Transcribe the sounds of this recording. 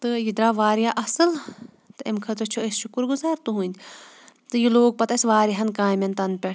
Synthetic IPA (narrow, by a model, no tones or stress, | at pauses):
t̪ɨjid̪ɾaːʋaːɾjaʔɐsɨl | t̪ɨemkʰɐt̪ɾɐt͡ʃʰuesʃukɨɾɡuzaːɾt̪uɦũnʲd̪ʲ | t̪ɨjiloːɡ̚pɐt̪ɐsʲʋaːɾiɦɐnkaːjmɐnt̪ɐnpʲe